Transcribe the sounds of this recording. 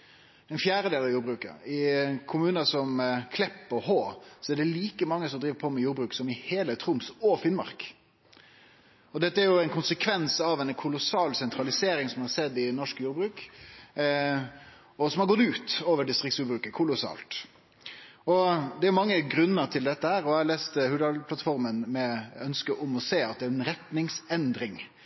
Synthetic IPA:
ɛɪnfjæːɾəd̪eːlɑʋjuːɾbɾʉːkə̰ɪkʰʊmʉːnəsɔmkʰlɛpːɔhoːsɔæɖɛliːkəmɑŋːəsɔmd̪ɾiːʋəpʰomɛjuːɾbɾʉːksɔmɪheːlət̪ʰɾʊmsɔfɪnmɑ̰ʁk | ɔd̪ɛt̪ːəæɾjʊɛɪnkʰʊnsəkʰʋɛnsɑʋɛnkʰʊlʊsɑːlsɛnt̪ɾɑlɪseːɾɪŋsɔmhɑsɛd̪ːɪnɔʂkjuːɾbɾʉːk | ɔsɔmhɑɾɡɔt̪ʉːt̪oːʋəɖɪst̪ɾɪk̚tsjuːbɾʉːkəkʰʊlʊsɑ̰ːlt̪ | ɔd̪ɛæɾjʊmɑŋːəɡɾʉnːəɾt̪ʰɪld̪ɛt̪ːəhæːɾɔæɑleːst̪əhʉːd̪ɑlpʰlɑt̪fɔɾmənmɛœnskəʔʊmɔseːɑt̪̚d̪ɛæɾɛnɾɛt̪nɪŋsɛnd̪ɾɪŋ

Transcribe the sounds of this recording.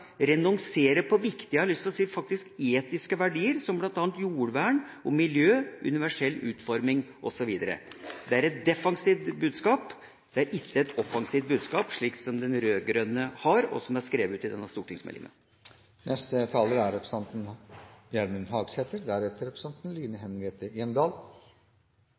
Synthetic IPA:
ɾɛnɔŋseːɾəpʰɔʋɪkt̪ɪhɑɾlʏst̪lɔsiːfɑk̚t̪ɪskeːt̪ɪskəʋæɖiːəɾsɔmblɑnt̪ɑːnt̪juːɽʋæːɳɔmɪljøːʔʉ̰nɪʋæʂɛlːʉ̰ːt̪fɔɾmɪŋʔɔsɔʋiːd̪əɾə̰d̪ɛæɾɛt̪̚d̪ɛfɑŋsiːt̪bʉːd̪skɑːp | d̪̥ɛæɾʔɪt̪ːəɛt̪ɔfɑŋsiːft̪̚bʉːd̪skɑːpʂɭiːksɔmd̪ɛnɾøːɡɾœnəhɑɾɔ̰sɔmæʂkɾeːʋəʉːt̪ɪd̪ɛnːɑst̪uːʈɪŋsmɛ̰lɪ̰ŋə̰ | nʔɛst̪ət̪ʰɑːləɾæɾɛpɾəsɑnt̪njæɾmənɦɑːɡsɛt̪əɾd̪æɾɛt̪ːəɾɛpɾəsɑnt̪n̩liːnəɦɛnʋeːt̪əɪɛnd̪ɑːl

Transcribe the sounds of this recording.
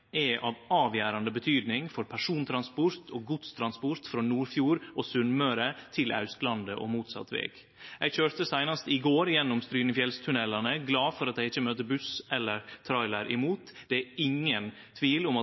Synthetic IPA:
ɛʔɑʋɑːʋjæːɾɑnd̪əbət̪ʰyːd̪nɪŋfɔɾpʰæʂuːnt̪ʰɾɑnspʊɾt̪ʰoːɡʊd̪st̪ʰɾɑnspʊɾt̪fɾoːnuːɾfjuːɾʔoːsʉnmøɾət̪ʰɪlʔa̰ʉst̪lɑnd̪əʔo̰muːt̪sɑ̰t̪ːʋḛːɡ̥ | æɪɡçøːɾt̪əsæɪnɑst̪ɪɡoːɾjɛnːʊmst̪ɾyːnəfjɛlst̪ʰʉnɛlɑnəɡlɑːfɔɾɑt̪̚æɪɡɪçːəmøːt̪əbʉsɛlːəɾt̪ʰɾɑɪlæɾʔɪmuːt̪d̪ɛæɪŋːən | t̪ʰʋiːlʊmɑ

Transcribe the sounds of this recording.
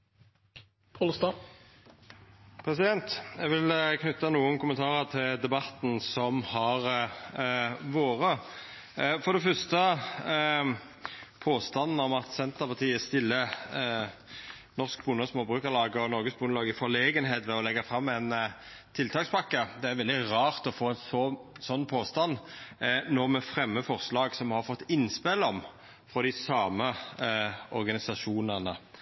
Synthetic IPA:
pʰɑlst̪ɑ | pʰɾɛsɪd̪ɛnt̪ɛɡʋɪlkʰnʉt̪ːɑnuːənkʊmənt̪ʰɑːʁəʁt̪ʰɪld̪ɛbɑt̪nsɔmhɑʁ | ʋoːʁə | fɔɾd̪ɛfœʁst̪ə | pʰoːst̪ɑnːnəɔmɑt̪sɛnt̪əʁpɑt̪ʰiːæst̪ɪlːə | nɔʁsk̚bʊnəsmoːbʁʉːkəʁlɑːɡəɔnɔʁɡəsbʊnəlɑːɡɪfɔʁleːɡənɦeːt̪ʋɛɔlɛɡːɑfʁɑmːɛn | t̪ʰɪlt̪ʰɑːkspɑkːəd̪ɛæɾʋɛld̪ɪʁɑːʁt̪ɔfoːɛnsɔsɔnːpʰoːst̪ɑnː | nɔʁmɛfʁɛmːəfɔʁslɑːɡsɔmhɑɾfɔt̪ːɪnːspɛlɔm | fɾɔd̪ɪsɑːmə | ɔɾɡɑnɪsɑʃuːnənə

